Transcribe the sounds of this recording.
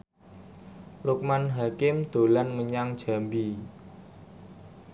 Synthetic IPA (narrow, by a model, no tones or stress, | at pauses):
lʊk̚manɦakɪmd̪̥o̤lanməɲaŋd̥ʒ̥a̤mbi